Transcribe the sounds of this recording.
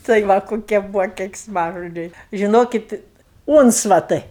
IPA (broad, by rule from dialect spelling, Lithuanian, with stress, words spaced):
tɐɪ ˈʋɐ koːˈkʲiɛ ˈbuːʋoː kʲɛɪksˈmɑːʒoːd͡ʒʲɛɪ ʒʲɪˈnoːkʲɪt ˈuːnt͡sʋɐtɐɪ